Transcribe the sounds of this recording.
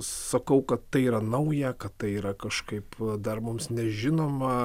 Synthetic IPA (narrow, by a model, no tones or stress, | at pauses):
sɐkɐʊkɐt̪t̪ɐɪiːɾɐnɐʊjɛkɐtt̪ɐɪiːɾɐkɐʃkɐɪpd̪ɐrmʊmsnʲɛʒʲɪnoːmɐ